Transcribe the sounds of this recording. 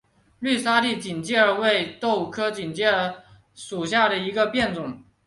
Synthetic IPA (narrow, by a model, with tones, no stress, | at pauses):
ly˥˩sa˥li˥˩t͡ɕi˨˩nt͡ɕi˥˩ə˞˧we˥˧ɪt̪o˥˩ʊ˩kʰɤ˥t͡ɕi˨˩nt͡ɕi˥ə˧˥ | ʂu˨˩ɕja˥˩d̪ə˩i˧˥ɡə˧pjɛ˥˩nt͡sʊ˨˩˦ŋ